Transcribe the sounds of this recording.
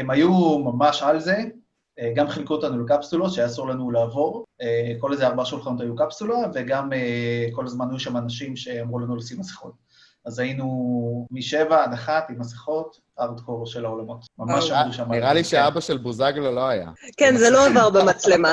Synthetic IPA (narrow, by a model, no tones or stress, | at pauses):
emajumamaʃalze̞ | eɡamχilkuot̪anulekapsulot̪ʃejaːsuʁlanulaːvo̞ʁeko̞lezeaʁbaaʃulχano̞t̬ajukapsulave̞ɡameko̞lazmanajuʃamanaʃimʃe̞amʁulanulasimasi̥χo̞̰t̚ | azajinumiʃevaːnaχatimasiχo̞t | aʁd̪ko̞ʁʃe̞laolamo̞tmamaʃamʁuʃamaniʁaliʃeabaʃelbuzaɡlalo̞aja̰kenzeloavaʁbemat͡slema